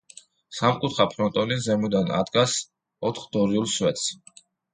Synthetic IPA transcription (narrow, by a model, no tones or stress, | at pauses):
samkʼut̪ʰχapʰɾɔnt̪ʼɔnizɛmud̪ana̰d̪ɡas | ɔt̪ʰχd̪̥ɔɾiulˠswɛt̪s